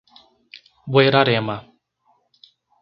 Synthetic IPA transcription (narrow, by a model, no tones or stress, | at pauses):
bweɾaɾema